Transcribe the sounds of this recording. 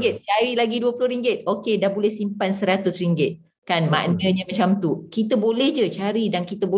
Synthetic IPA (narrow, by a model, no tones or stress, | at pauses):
ɡɪt̪̚t͡ʃaɾilaɡiduəpulʊɾiŋɡɪt̪̚okedahbolɛhsimpansəɾat̪ʊsriŋɡɪt̪̚ | kanma̰ʔnə̃ɲãmat͡ʃamt̪ukit̪əbolɛhd͡ʒət͡ʃaɾidankit̪əbo